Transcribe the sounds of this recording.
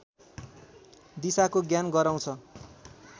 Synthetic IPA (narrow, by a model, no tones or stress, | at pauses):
d̪isakoɡjanɡʌɾaw̃t͡sʰʌ